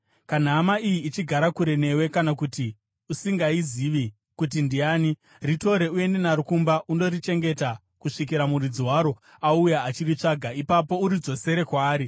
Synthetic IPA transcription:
kan̤amaijiːt͡ʃiɡʱaɾakuɾe̞ne̞we̞kanakuti | usiŋɡaiziʋi | kut̬indiaːni | rito̞ɾe̞ue̞nde̞naɾukumbaʔundo̞rit͡ʃe̞ŋɡe̞ta | kuʂik̬iɾamurid͡zwaɾo̞ | aujaːt͡ʃirit͡ʂaɡʱaipapo̞uɾid͡zo̞se̞ɾe̞kwaːɾi

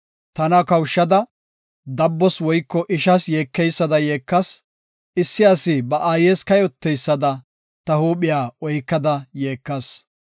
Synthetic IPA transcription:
t̪ɐnɐkɐwʃːɐd̪ɐ | d̪ɐbːɔswɔjkːɔʔɪʃɐsjeːkːɛjsːɐd̪ɐjeːkːɐs | ɪsːɪɐsɪbɐʔaːjeːskɐjɔt̪ːɛjsːɐd̪ɐ | t̪ɐhuːpɪjaːɔjkːɐd̪ɐjeːkːɐs

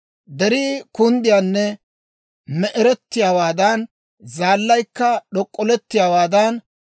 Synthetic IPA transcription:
d̪ɛɾiːkʊnd̪ɪjaːnːɛ | mɛʔɛɾɛt̪ːɪjaːwaːd̪ɐn | zaːlːɐjkːɐɗɔkʼːɔlɛt̪ːɪjaːwaːd̪ɐn

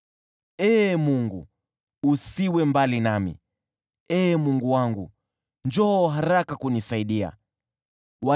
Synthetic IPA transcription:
ɛːmuŋɡṵ | usiwɛmbalinamḭ | ɛːmuŋɡuwaŋɡu | nd͡ʒɔːɦaɾakakunisaiɗia̰ | wa

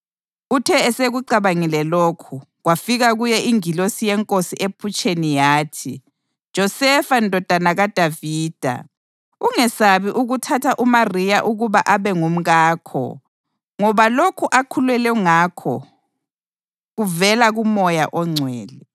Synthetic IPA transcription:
utʰɛɛseɣuǀaβaŋilɛlokʰu | ɣwafiɣaɣujɛʔiŋilosijɛŋkʼosiʔepʰut͡ʃʼenijaːtʰi | d̥ʒ̥ʱɔsɛfandʱɔd̥ʱanaɣad̥ʱaviːd̥ʱa̰ | uŋɛsaβiʔuɣutʰatʰaʔumarijaʔuɣuβaʔaβɛŋum̩ɣaːkʰɔ̰ | ŋɔβalokʰuʔakʰulwɛlɛŋakʰɔ̰ | ɣuvɛlaɣumɔjaʔɔŋ͡ǀʱwɛːlɛ

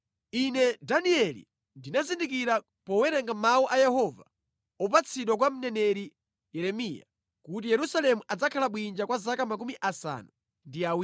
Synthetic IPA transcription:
inɛdaniɛlḭ | ndinazindikiɾa | pɔwɛɾɛŋɡamauʔajɛhɔva | ɔp̬at͡sʰiɗwakwam̩nɛnɛɾi | jɛɾɛmija̰ | kut̬ijɛɾusalɛmuʔad͡zakʰalaɓwind͡ʒakwazakamak̬umiʔasa̰nu | ndiawi

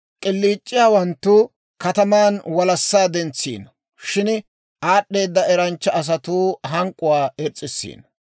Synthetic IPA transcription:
kʼɪlːiːt͡ʃʼːɪjaːwɐnt̪ːʊ | kɐt̪ɐmaːnwɐlɐsːaːd̪ɛnt͡sːḭːnɐ | ʃɪn | ʔaːɗːe̞ːd̪ːɐɛɾɐnt͡ʃːɐːs̬ɐt̪uːɦɐŋkʼːʊwaːɛt͡sʼːɪsːḭːnɐ

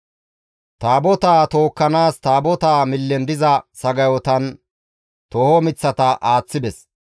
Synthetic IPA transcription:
t̪aːbɔt̪aːt̪o̞ːkːɐnaːst̪aːbɔt̪aːmɪlːɛnd̪ɪzɐsɐɡɐjɔt̪ɐn | t̪ɔhɔmɪt͡sːɐt̪ɐʔaːt͡sːɪd̪ɛs

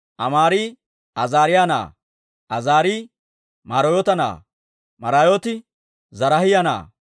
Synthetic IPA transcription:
ʔɐmaːɾiː | ʔɐzaːɾɪjaːna̰ː | ʔɐzaːɾiː | maːɾojɔt̪ɐna̰ː | mɐɾajoːt̪ɪ | zɐɾɐhɪjɐna̰ː

